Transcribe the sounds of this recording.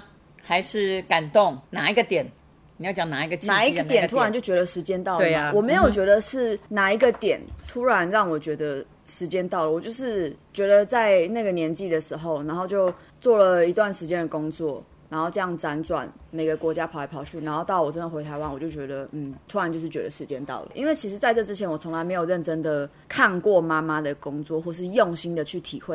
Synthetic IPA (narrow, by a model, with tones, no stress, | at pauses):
xa˧ɪʂɻ̩˥˩ka˨˩nt̪o˥˨ŋna˨˩i˧˦ɡə˧t̪jɛ˨˩˦n | ni˨jɑ˥˩ʊt͡ɕɑ˨˩ŋna˨˩i˧˥ɡə˧t͡ɕʰnaa˥˨˩i˦˥ɡt̪jɛ˨˩nt̪ʰu˥a˧nt͡ɕjo˥˩ʊt͡ɕɥɛ˧˥d̪ə˧ʂɻ̩˧˥t͡ɕjɛ˥nt̪ɑ˥˩ʊe˥˨wɔ˨˩me˧˥ɪjo˨˩ʊt͡ɕɥɛ˧˥d̪ə˨ʂɻ̩˥˩na˨˩i˧˥ɡə˧t̪jɛ̰˨˩˦nt̪ʰu˥ɻa˧˦nɻɑ˥˩ŋwɔ˨˩t͡ɕɥɛ˧˥d̪ə˧ | ʂɻ̩˧˥t͡ɕjɛ˥nt̪ɑ˥˩ʊlə˩wɔ˨˩t͡ɕjo˥˧ʊʂɻ̩˥˩t͡ɕɥɛ˧˥d̪ə˧t͡sa˥˧ɪna˥˩ɡə˨njɛ˧˥nt͡ɕi˥˩d̪ə˩ʂɻ̩˧˥xo˥˩ʊna˧˥nxo˥˧ʊt͡ɕjo˥˧ʊ | t͡swɔ˥˩lə˩i˧˥t̪wa˥˩nʂɻ̩˧˥t͡ɕjɛ˦nd̪ə˨˩ko˥ŋt͡swɔ˥˩ | na˧˥nxo˥˧ʈ͡ʂɤ˥˧jɑ˥˩ŋt͡sa˦nt͡swa̰˨˩nme˨˩ɪɡə˩kwɔ˧˥t͡ɕja˥pʰɑ˨˩a˧˩pʰɑ˨˩ʊɕy˥˩na˧˥nxo˥˧ʊt̪ɑ˥˩ʊwɔ˨˩ʈ͡ʂə˦nd̪ə˨xwe˧ɪt̪ʰa˧ɪwa˦nwɔ˨˩t͡ɕjo˥˩ʊt͡ɕɥɛ˧˥d̪ə˧n̩˥˩t̪ʰu˥a˨˧˦nt͡ɕjo˥˧ʂɻ̩˥˩t͡ɕɥɛ˧˥d̪ə̰˨˧ʂɻ̩˧˦t͡ɕjɛ˦nt̪ɑ̰˥˩ʊlə̰˩ʔḭ˥nwe˥˩ɪt͡ɕʰi˧˥ʂ̬ɻ̩˧˥t͡sa˥˧ɪʈ͡ʂɤ˥˩ʈ͡ʂɻ̩˥t͡ɕʰɛ˧˥nwɔ˨˩t͡sʰo˧˥ŋla˧ɪme˧ɪjo˨˩ʊɻə˥˩nʈ͡ʂə˦˥ŋd̪ə˨ | kʰa˥˧nkwɔ˥˨ma˦ma˦d̪ə˨˩kʊ˥ŋt͡swɔ˥˨xwɔ˥˩ʂ̬ɻ̩˥˧jo˥˨ŋɕi˦˥nd̪ə˨t͡ɕʰy˥˩t̪ʰḭ˨˩xwe˥˩ɪ